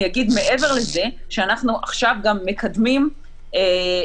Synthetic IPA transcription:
jaɡid̪me̞ʔe̞ve̞ʁle̞ze̞ʃeanaχnuʔaχʃavɡamːe̞kʰad̪mim | e

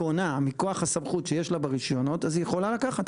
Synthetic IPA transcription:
onamiko̞aχhasamχut̪ʃejeʃlabaʁiʃjo̞no̞tazijeχo̞lalakaχat̪

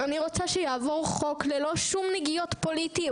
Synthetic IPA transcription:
aniʁo̞t͡saʃejaːvo̞ʁχo̞klelo̞ʃumneɡijo̞t̪politi

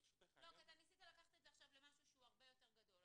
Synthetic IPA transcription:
lokiat̪emisit̪alakaχt̪ezeaχʃavlemaʃuʃuaʁbejo̞t̪eʁɡad̪o̞l

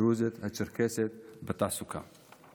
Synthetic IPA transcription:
ɾuzet̪hɐt͡ʃəɾkʰeset̪̚bɐt̪asukʰa̰

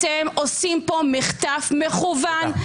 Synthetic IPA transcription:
temosimpomiχt̪afmeχuvan

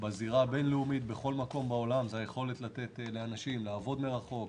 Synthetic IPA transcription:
baziʁabe̞nleumit̪̚be̞χo̞lmako̞mbao̞lamzajeχo̞le̞t̪lat̪et̪le̞anaʃimlaːvo̞d̪meʁaχo̞k

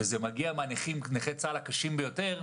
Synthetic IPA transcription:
ezemaɡiamaniχimneχet͡salakaʃimbejo̞te̞ʁ

